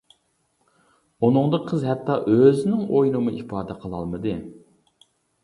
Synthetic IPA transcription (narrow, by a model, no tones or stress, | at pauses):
unɨŋd̪əqʰəzhɛt̪ʰːɑʔøzɪnɪŋojnɨmuʔipɑːd̪ɛqʰəlˠɑ̰lˠmɨd̪ɨ